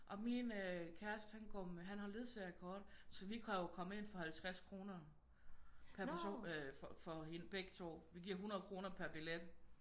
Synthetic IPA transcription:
ʔɒ̽minøkʰæɐsd̥hænɡ̥ɒmɦænɦɑ̈le̝ð̞ˠseækʰɒːd̥sɒ̽ʋikʰæjo̝kʰɒ̽məe̝nfɒ̽hælt͡sʰʁaskʰʁo̝ːnɐ | pʰæɐæɐso̝̰ffɒ̽enb̥eɡ̥̚t͡sʰo̝̰ːʋiɡ̥iɐ̰ɦunɐðˠkʰʁo̝ːnɐpʰæɐb̥eled̥

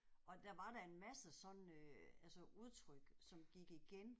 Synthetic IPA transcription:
ʔɒ̽d̥æʋɑ̈ɾæe̝nmæsəsɒ̽nøælsəʔuð̞ˠt͡sʰʁœɡ̥sɒ̽mɡ̥iɡ̥iɡ̥en

